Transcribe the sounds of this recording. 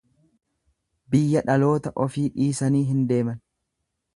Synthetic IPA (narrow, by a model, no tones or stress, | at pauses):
bɪjːɐᶑɐlo̞ːt̪ɐʔɔfiːᶑiːsɐniːɦɪnd̪e̞ːmɐn